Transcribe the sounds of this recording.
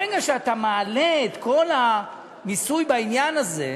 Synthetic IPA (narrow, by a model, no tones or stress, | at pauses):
eɡaʃeat̪amaːle̞ːt̪ko̞la | misujbainjanaze̞̰